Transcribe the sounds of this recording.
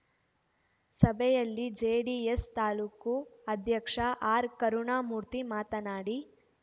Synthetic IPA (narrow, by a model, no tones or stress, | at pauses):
sɐbʱɛjɐlːid͡ʒeːɖiest̪aːluːkuɐd̪ʱjɐkʂɐʔaːɾkɐɾuɳaːmuːɾt̪imaːt̪ɐnaːɽi